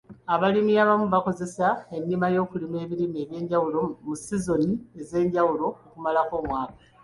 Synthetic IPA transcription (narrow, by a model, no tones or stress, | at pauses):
aβalimiaβamuβako̞ze̞sae̞nːimajo̞ːkulime̞ːβilime̞ːβje̞ːɲɟawulo̞musizo̞nie̞ze̞ːɲɟawulo̞ːkumalako̞ːmwaːkḁ